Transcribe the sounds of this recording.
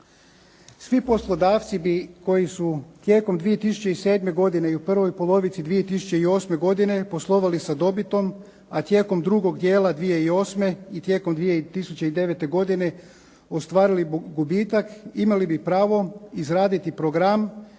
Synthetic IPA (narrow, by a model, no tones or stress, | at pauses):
sʋipo̞slˠo̞d̪aːft̪sibiko̞jisut̪je̞ːko̞md̪ʋije̞t̪isu̥t͡ɕe̞ise̞ːd̪me̞ɡo̞d̪ineiupr̩ʋo̞jpo̞lˠo̞ʋit̪sid̪ʋije̞t̪isut͡ɕe̞io̞ːsme̞ɡo̞d̪ine̞po̞slˠo̞ʋalisad̪o̞bit̪o̞m | at̪je̞ːko̞md̪ɾuɡo̞ɡd̪je̞ːlˠad̪ʋije̞io̞ːsme̞it̪je̞ːko̞md̪ʋijet̪isut͡ɕeid̪e̞ʋe̞t̪e̞ɡo̞d̪ine̞ | ost̪ʋaːɾiliɡubiːt̪akimalibipɾaːʋo̞izɾaːd̪it̪ipɾoɡɾam